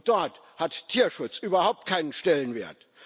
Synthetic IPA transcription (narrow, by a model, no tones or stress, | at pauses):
d̥ɔɐt | hattʰiːɐʃʊt͡sʔyːbɐhaʊp̚t̚kʰaɪnənʃtɛlənveːɐt